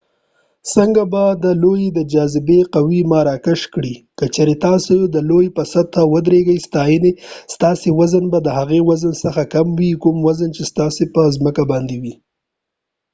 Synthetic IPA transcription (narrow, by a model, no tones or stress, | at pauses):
səŋɡabad̪əlojed̪əd͡ʒɑzɪbeqawimaɾɑkɪʃkɽikət͡ʃaɾet̪ɑsod̪əlojpəsad̪̚t̪ːawəd̪ɾeɡəjst̪ɑjənest̪ɑsewazənbad̪əɦaɣewazənsəxakamwikumwazənt͡ʃest̪ɑsepəzməkabɑnd̪ewi